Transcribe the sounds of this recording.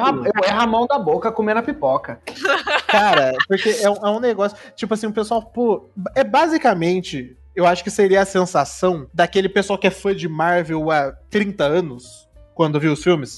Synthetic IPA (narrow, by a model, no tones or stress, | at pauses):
aewɛɦamɐ̃w̃d̪ɐbokɐkomenɐpipɔkɐ | kaɾɐpoɾkeʔɛũɛũneɡɔsjʊt͡ʃipʊasĩʊpesuawpoɛbazikamẽnt͡ʃɪ | ewaʃʊ̥kɪseɾiɐɐsẽsasɐ̃w̃d̪akelɪpesuawkɪɛfɐ̃d͡ʒɪmaɾvewat̪ɾĩt̪ɐɐ̃nʊs | kwɐ̃nd̪ʊewviʊsfiwmɪs